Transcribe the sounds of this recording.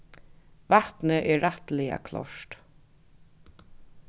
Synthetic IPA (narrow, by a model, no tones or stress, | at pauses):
vaht̪nəʔɛːat̪lɛa̰kʰlɔ̰ʂt̪